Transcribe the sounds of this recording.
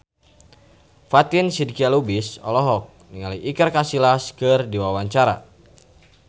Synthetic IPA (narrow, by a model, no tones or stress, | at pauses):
fat̪insidikialubisɔ̰lɔɦɔk̚niŋaliʔikərkasilaskɨrdiwawaɲt͡ʃaɾa̰